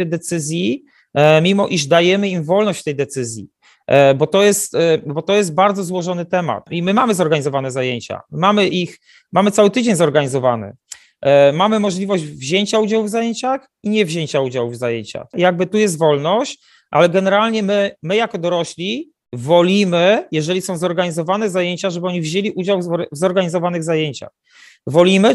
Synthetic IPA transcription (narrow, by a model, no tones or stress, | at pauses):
d̪ɛt̪sɘzʲji | mʲimɔʔiʐd̪ajɛmɘimvɔlnɔɕt͡ɕft̪ɛjd̪ɛt̪sɘzʲjḭ | bɔt̪ɔjɛst̪bɔt̪ɔjɛst̪̚baɾd̪zɔzwɔʐɔnɘt̪ɛma̰t̪imɘmamɘzɔɾɡaɲizɔvanɛzajeɲt͡ɕa̰mmamɘʔix | mamɘt̪sawɘt̪ɘd͡ʑeɲzɔɾɡaɲizɔvanɘ̰ | mamɘmɔʐlʲivɔʑd͡ʑvʑeɲt͡ɕaud͡ʑawvzajeɲt͡ɕax | iɲɛvʑeɲt͡ɕaud͡ʑawvzajeɲt͡ɕa̰xjaɡ̚bɘt̪ujɛst̪vɔlnɔɕt͡ɕ | ʔa̰lɛɡɛnɛɾalɲɛmɘmɘjakɔd̪ɔɾɔɕlʲi | vɔlʲimɘjɛʐɛlʲisɔ̃w̃zɔɾɡaɲizɔvanɛzajeɲt͡ɕaʐɛbɘɔɲivʑelʲiʔud͡ʑawvzɔɾɡaɲizɔvanɘɣzajeɲt͡ɕa̰x | vɔlʲimɘ